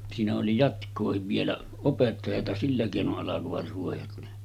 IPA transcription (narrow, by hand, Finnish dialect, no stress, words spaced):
siːnæ oli jɑtkˑoːhiʋ ʋielæ opetːɑjɑtɑ silːæ keˑinoʔ ʔɑlɑkoʋɑt ruojɑt ne